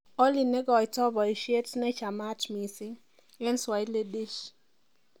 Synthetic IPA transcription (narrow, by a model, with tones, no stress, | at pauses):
ɔ˦li˨nɛ˦ɡɔ˨jtɔ˦bɔ˨i˨ʃe˦tnɛ˦t͡ʃa˨ma˦tmi˨sɪ˦ŋ | ɛ˦nswa˨i˦le˦de˦ʃ